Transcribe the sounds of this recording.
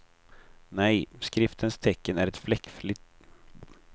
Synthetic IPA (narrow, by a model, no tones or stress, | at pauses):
nɛjskɾɪft̪ʰənst̪ʰɛkːənæɾɛt̪flɛkːflʏt̪